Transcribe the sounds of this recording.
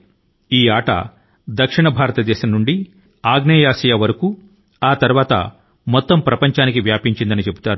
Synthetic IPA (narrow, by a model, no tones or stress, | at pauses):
iːaːʈɐ̰ | d̪ɐkʂiɳɐbʱaːɾɐt̪ɐd̪ɛːʃɐmnuɳɖi | aːɡneːjaːsɐjɐʋɐɾɐku | aːt̪ɐɾuʋaːt̪ɐ̰ | mɔt̪ːɐmpɾɐpɐɲt͡ʃaːnikiʋjaːpiɲt͡ʃind̪ɐnit͡ʃe̞but̪aːɾu